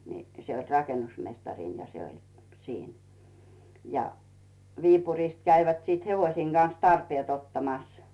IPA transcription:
ni se olʲ rɑkenusmestɑrin jɑ se olʲ siːn jɑ ʋiːpuriˑst kæiʋæt siˑt heʋosiːŋ ɡ̊ɑn̞s tɑrpiet otːɑmɑs

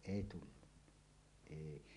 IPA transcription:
ʔeˑi tulːunːɑ̥ eˑi

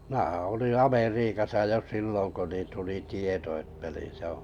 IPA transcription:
mĭnæhæ̃ː olĩː ɑmeriːkɑsɑ jo silːoŋ ko nin tuli tieto etːæ ni se õː

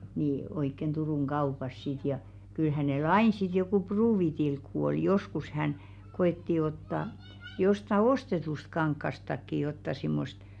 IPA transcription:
ni oikːen d̥uruˑŋ ɡ̊ɑupɑs sit jɑ kyl hæneˑl ɑin sit jokuˑ pruːʋitilkːu oi joskus hæn ɡ̊oetːi otːɑ jostɑ ostetust kɑŋkːɑstɑkːi jotːɑ simːost

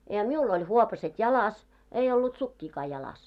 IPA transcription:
jɑ miul olʲ huopɑset jɑlɑs ei olːut sukːiːkɑː jɑlɑs

